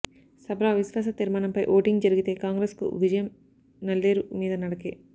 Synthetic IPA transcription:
sɐbɾaːʋisʋaːs̬ɐt̪iɾmaːɳɐmpɐjʔoːʈiŋɡd͡ʒɐɾiɡit̪e̞ːkaːŋɡɾeːskṵʋid͡ʒɐjɐm | nɐlːeːɾumiːd̪ɐnɐɽɐke

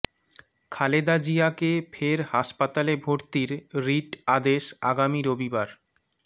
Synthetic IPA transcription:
kʰaled̪ad͡ʑijakefʰeɾhaʃpat̪alebʱoɾt̪iɾɾiʈad̪eʃaɡamiɾobibaɾ

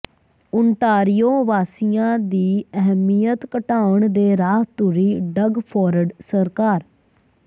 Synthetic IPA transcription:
ʊnt̪aːɾɪjoːʋaːsɪjãːd̪iːəɦmijət̪kəʈaːəɳd̪eːɾaːɦt̪ʊɾiːɖəɡpʰɔːɾəɖsəɾkaːɾ

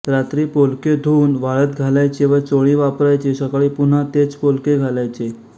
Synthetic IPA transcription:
ɾat̪ɾiːpolked̪ʱuːnʋaɭət̪ɡʱalajt͡ɕeʋət͡soɭiːʋapɾajt͡ɕesəkaɭiːpun̤at̪et͡spolkeɡʱalajt͡ɕe

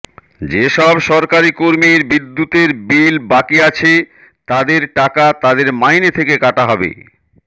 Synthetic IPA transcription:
d͡ʑeʃɔbʃɔɾkaɾikoɾmiɾbid̪ːut̪eɾbilbakiat͡ɕʰe | t̪ad̪eɾʈakat̪ad̪eɾmajnet̪ʰekekaʈaɦɔbḛ

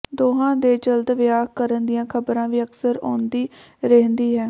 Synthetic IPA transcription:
d̪oːɦãːd̪eːd͡ʒəld̪ʋɪjaːkkəɾənd̪ɪjãːkʰəbɾãːʋiːəksəɾo̰ːnd̪iː | ɾɛɦənd̪iːɦɛː

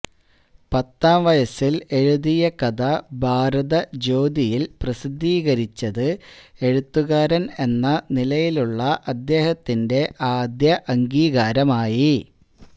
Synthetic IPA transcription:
pɐt̪ːaːmʋɐjɐsile̞ɻuðijɐkɐd̪ɐbʱaːɾɐðɐd͡ʑo̞ːd̪ijilprɐsid̪ʱːiːɣɐɾit͡ɕːɐðɨe̞ɻut̪ːuɣaːɾɐne̞nːɐnilɐjiluɭːɐʔɐd̪ːe̞ːhɐt̪ːinde̞ʔaːd̪jɐʔɐŋɡiːɣaːɾɐmaːji

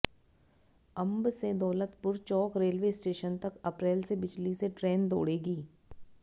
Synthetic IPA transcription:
ɐ̃mbsed̪ɔːlət̪pʊɾt͡ʃɔːkɾeːlʋeːsʈeːʃənt̪ɐkɐpɾeːlsebɪd͡ʒliseʈɾeːnd̪o̰ːɽeːɡiː

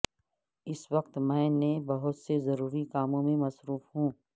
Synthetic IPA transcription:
ɪsʋɐq̚t̪mɛ̃ːnẽbɐɦʊt̪sezɐɾuːɾikaːmõmẽmɐsɾuːfɦũː

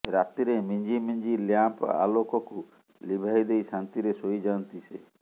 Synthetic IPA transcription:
ɾat̪iɾemiɲd͡ʒimiɲd͡ʒiljampa̰lokɔku | libʱajd̪ejsant̪iɾesojd͡ʒant̪ise

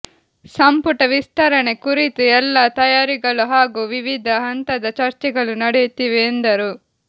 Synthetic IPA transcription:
sɐmpuʈɐʋist̪ɐɾɐɳe̞kuɾit̪uɛlːaːt̪ɐjaːɾiɡɐɭuɦaːɡuːʋiʋid̪ʱɐɦɐnt̪ɐd̪ɐt͡ʃɐɾt͡ʃɛɡɐɭunɐɽet̪iːʋeːnd̪ɐɾu

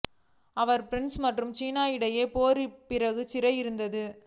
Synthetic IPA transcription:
ɐʋɐɾpɾɛnsmɐʈrɯmt͡ʃiːnaːjɪɽɐjeːpoːɾipːɪɾɐɣɯt͡ʃɪɾɐjɪɾɯnd̪ɐðɯ

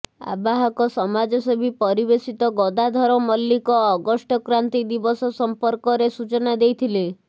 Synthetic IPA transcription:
a̰baɦɔkɔsɔmad͡ʒɔsɔbʱipɔɾibesit̪ɔɡɔd̪ad̪ʱɔɾɔmɔlːikɔːɡɔsʈɔkɾant̪id̪ibɔsɔsɔmpɔɾkɔɾesut͡ʃɔnad̪ejt̪ʰile

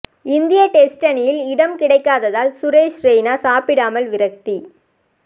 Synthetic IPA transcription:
ɪnd̪ɪjɐʈɛsʈɐnɪjɪlɪɽɐmkɪɽɐɪkːaːðɐðaːlsʊɾeːʃɾeɪnaːsaːpɪɽaːmɐlʋɪɾɐk̚t̪i

